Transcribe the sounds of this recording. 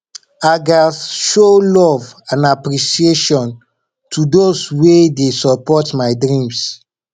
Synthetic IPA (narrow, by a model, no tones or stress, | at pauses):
aɡasʃolɔvãnapɹiʃieʃɔ̃n | tʰudoswedesɔpɔtmaɪdɹĩms